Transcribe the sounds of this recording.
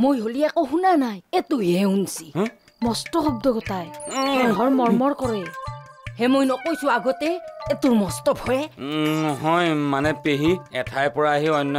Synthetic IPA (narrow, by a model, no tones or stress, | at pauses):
mojɦoliɛkɔxunanajetuɦɛunsi̥ | mɔstɔɔb̚d̪ɔɡɔtajɦɔɹmɔɹmɔɹkɔɹɛ | hɛmojnɔkojsʊ̃aɡɔtɛetuɹmɔstɔbʰʱɔɛɔɦɔjmanɛpeɦiɛtʰajpɔɹaːɦiɔjnːɔ